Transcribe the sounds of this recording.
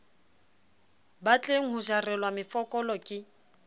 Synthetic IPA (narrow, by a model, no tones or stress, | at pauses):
bat͡ɬʼeŋ̩ɦʊʒarɛlwamɪfɔkʼɔlɔkʼɪ